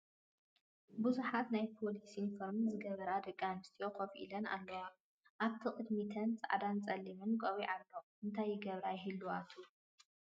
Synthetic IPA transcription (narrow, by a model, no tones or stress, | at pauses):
buzuħat̪najpʰo̞lisinfoɾmɨnzɨɡɐβɐɾad̪ɐkʼːanɨst̪ʰijo̞kofʔḭlɐna̰lːɐwa | ʔaβt̪ʰiqʼɨd̪mit̪ʰɐnt͡sʼɨ̰ʕad̪ant͡sʼɐlːimɨnkʼowiʕalboʔɨnt̪ʰajːɪɡɐβɾajɦɨlːuwat̪ʰu